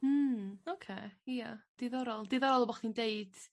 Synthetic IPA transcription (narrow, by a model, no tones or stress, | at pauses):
m̩okʰeːijad̥eðɔɾɔlˠdɪðɔɾɔlˠbɔχtʰindejd̥